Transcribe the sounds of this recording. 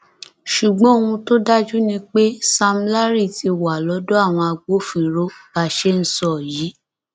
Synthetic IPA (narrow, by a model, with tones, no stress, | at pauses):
ʃu˨ɡ͡bɔ̃˦o˦˨ũ˧to˦da˦d͡ʒu˦nĩ˧k͡pe˦sa˧m̩˦la˦ɾi˦˨ti˧wa˨lɔ˨˦do˦a˦˨w̃ɔ̃˧a˧ɡ͡bo˦fĩ˨ɾo˦ba˧˦ʃe˦n̩˨˦sɔ˦˨jiː˨˦